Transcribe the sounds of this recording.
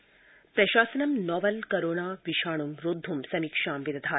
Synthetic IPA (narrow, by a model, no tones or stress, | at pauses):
pɾɐʃaːsɐnɐmnɔːʋɐlkɐɾoːɳaːʋiʃaːɳ̃umɾoːd̪ʱːumsɐmiːkʂaːmʋid̪ɐd̪ʱaː